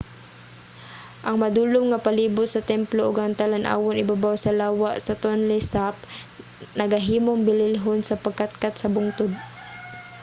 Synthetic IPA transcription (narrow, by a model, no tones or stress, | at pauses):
ʔɐŋmad̪uːlʊmŋapaliːbʊt̪̚sɐt̪ɛmploʔʊɡaŋt̪alanʔa̰ːwonɪbabawsɐlaːwaʔsɐt̪onlɛsap̚ | nɐɡaɦiːmoŋbɪlɪlɦonsɐpaɡ̚kat̪̚kat̪sɐbʊŋt̪ʊd̪̚